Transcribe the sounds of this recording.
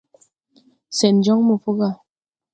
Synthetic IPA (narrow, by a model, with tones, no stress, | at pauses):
sɛ˨n˨d͡ʒɔ˦ŋmu˨fu˦ɣa˦˨